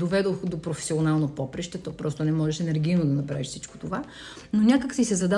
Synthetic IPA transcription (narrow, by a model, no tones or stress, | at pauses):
d̪ovɛd̪oxd̪opɾofɛ̥sionalˠnopɔpɾɛʃt̪ɛt̪ɔpɾɔst̪onɛmɔʒɛʃɛnɛɾɡʲijnod̪ɐnɐpɾaviʃfsit͡ʃko̥t̪ova | nonʲakəksisɛzɐd̪a